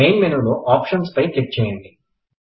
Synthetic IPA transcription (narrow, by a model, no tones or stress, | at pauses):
ejnmenuluʔaːpʂɐnspɐjklik̚t͡ʃɛːjɐɳɖi